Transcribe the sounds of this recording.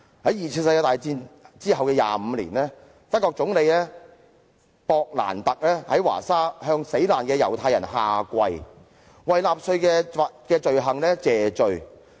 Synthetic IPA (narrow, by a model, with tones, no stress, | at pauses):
hɐ˨˥jiː˨˩t͡sʰi˧˥ns̬ɐ˧jkaː˧t̪aː˨jt͡siː˧nt͡siː˥ɦɐ˨wkɛː˧ja̰ː˨m̩ː˨˧lḭː˨˩nlɛː˥ | t̪ɐ˥kːɔː˧k̚t͡sʊ˨˥ŋle˨˧jlɛː˥ | pɔː˧k̚la̰ː˨˩nt̪ɐ˨k̚lɛː˥hɐ˨˥jwa̰ː˨˩saː˥hœː˧ŋse˨˥jlaː˨˩nkɛː˧jɐ̰˨˩wt̪ʰaː˧jɐ˨˩nɦaː˨˧kʷɐ˧j | wɐ˨jlaː˨˧p̚sɵ˧ɥkɛː˧˨kɛː˧t͡ʃɵ˨ɥɦɐ˨ŋlɛː˥t͡sɛː˨t͡ʃɵ˨ɥ